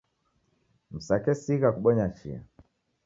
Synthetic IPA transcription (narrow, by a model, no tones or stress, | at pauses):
m̩sakɛsiɣakuɓɔɲat͡ʃḭa̰